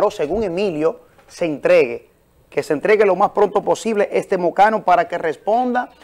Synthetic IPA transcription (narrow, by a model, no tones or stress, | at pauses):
ɾose̞ɣuŋe̞miljo̞ | seːnt̪ɾe̞ɣe | kesent̪ɾe̞ɣelomaspɾo̞nt̪o̞po̞siβle̞ʔest̪e̞mokanopaɾake̞respo̞nd̪a